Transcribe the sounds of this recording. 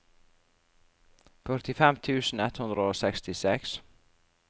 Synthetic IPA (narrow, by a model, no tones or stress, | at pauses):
fœɾt̪ɪfɛmt̪ʰʉːsn̩ɛt̪hʉnd̪ɾəoːsɛkst̪ɪsɛks